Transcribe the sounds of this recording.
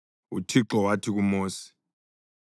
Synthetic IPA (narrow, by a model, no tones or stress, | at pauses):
ṵtʰiǁɔwatʰik̬umoːsi̥